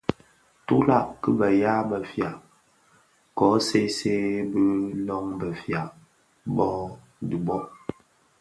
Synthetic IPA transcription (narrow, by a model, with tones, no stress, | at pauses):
tu˦la˦˨ʔkɨ˦bə˨ja˦bə˨fja˨ | kɔ˨˦se˦se˦bi˦lɔ˦ŋbə˨fja˨ | bɔ˦ | di˨bɔ˦ʔ